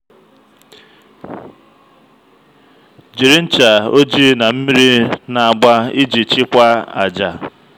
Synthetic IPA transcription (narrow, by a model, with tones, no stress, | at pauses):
d͡ʒi˨ɾi˦n̩˦t͡ʃa˨o˦d͡ʒi˦na˨m̩˦mi˦ɾi˦na˨a˨ɡ͡ba˦i˦d͡ʒi˨t͡ʃɪ˦kʷa˦a̰˨d͡ʒa˨